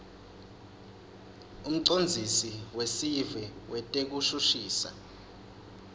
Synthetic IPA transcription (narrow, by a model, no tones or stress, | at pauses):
um̩ǀond͡zʱisiwesivɛwɛtʼek̬uʃuʃiːsa̰